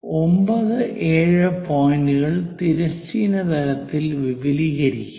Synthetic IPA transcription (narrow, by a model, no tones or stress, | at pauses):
ombɐðɨʔeːɻɨpoːjinduɣɐɭt̪iɾɐst͡ɕiːnɐt̪ɐɾɐt̪ːilʋibiliːɣɐɾikʲːu